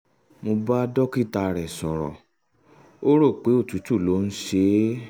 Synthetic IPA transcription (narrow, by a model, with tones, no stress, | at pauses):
mo˧ba˦dɔ˦ki˦˨ta˧˨ɾɛ˨sɔ̃˨ɾɔ̰˨ | o˦ɾo˦˨k͡pe˨˦o˦˨tu˨˦tu˦˨lo˨˦n̩˦ʃe˦